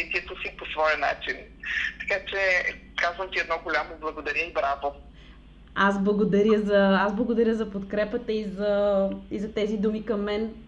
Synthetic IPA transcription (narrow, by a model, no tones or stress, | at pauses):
it̪iɛt̪osiposvɔjɐna̰t͡ʃint̪ɐ̥kat͡ʃɛ | kazvəmt̪iɛd̪nɔɡolʲamoblˠɐɡod̪ɐɾʲjəibɾavo | asblˠɐɡod̪ɐɾjəzɐazblˠɐɡod̪ɐɾʲəzɐpot̪kɾɛpət̪əizɐizɐt̪ɛzid̪umikɐmːɛn